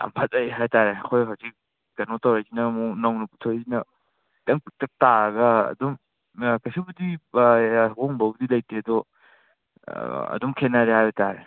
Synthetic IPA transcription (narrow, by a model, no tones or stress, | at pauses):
ɐ̰mpʰɐt̚ɐjɦajtaɾeɐkʰojɦawzik̚ | ɡ̥ɐnotawɾazinɐmunawnupu̥tʰojajzinɐ | tɐŋputɐk̚taɐɡɐɐ̰dɔm | kɐsibudi | ɦoŋbɐbdilɐjtedɔ | ɐ̰dɔmkʰenaɾehajbɐtaɾe